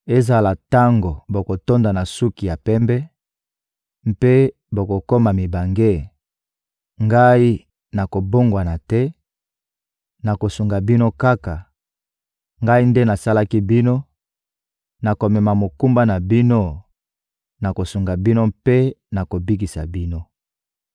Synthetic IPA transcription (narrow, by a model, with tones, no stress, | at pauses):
e˦za˨la˨ta˦ŋɡo˨bo˨ko˨to˦nda˨na˨su˦ki˨ja˨pɛ˦mbɛ˦ | m̩˦pe˦ | bo˨ko˨ko˦ma˨mi˨ba˨ŋɡe˦ | ŋɡa˦i˦ | na˨ko˨bo˦ŋɡwa˨na˨tɛ˦ | na˨ko˨su˨ŋɡa˨bi˦no˦ka˦ka˨ | ŋɡa˦i˦nde˦na˨sa˦la˦ki˦bi˦no˦ | na˨ko˨mɛ˨ma˨mo˨ku˦mba˦na˨bi˦no˦ | na˨ko˨su˨ŋɡa˨bi˦no˦mpe˦na˨ko˨bi˦k̬i˨sa˨bi˦no˦